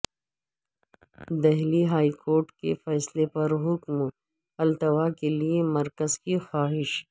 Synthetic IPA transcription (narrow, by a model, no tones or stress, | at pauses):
d̪ɛɦliɦaːikoːɾʈkḛfɛːslepɐɾɦʊkm | ɐlt̪ɐʋakeliemɐɾkəzkixaːɦɪʃ